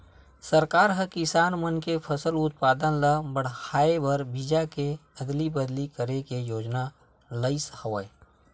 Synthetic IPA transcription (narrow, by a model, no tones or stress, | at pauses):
səɾkaːɾɦəkɪsaːnmənkepʰəsəlʊt̪̚paːd̪ənləbəɽ̤haːebɐɾbid͡ʒakeɐd̪libəd̪likəɾekejoːd͡ʒna | ləɪshəʋə